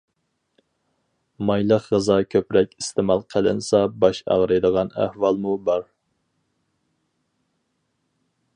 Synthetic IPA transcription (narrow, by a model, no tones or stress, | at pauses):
mɑjlˠəqʁəzɑkʲʰøpɾɛkʲist̪ʰɪmɑlˠqʰælɪ̰nsɑbɑʃɑ̰ʁɾɨjd̪əʁɑnæ̰hwɑlˠmubɑɾ